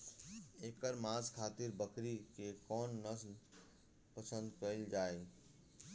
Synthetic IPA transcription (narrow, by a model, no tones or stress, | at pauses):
eːkəɾmãːzkʰaːt̪ɪɾbəkɾikekɔːnːəs | pəsə̃nd̪pəld͡ʒaːe